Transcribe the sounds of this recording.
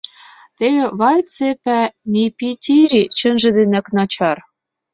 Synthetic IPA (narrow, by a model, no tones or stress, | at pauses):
t̪eɣĕβɑjt͡sepænipit̪ʲiɾit͡ɕə̆nʒĕd̪enæ̆knɑt͡ɕɑr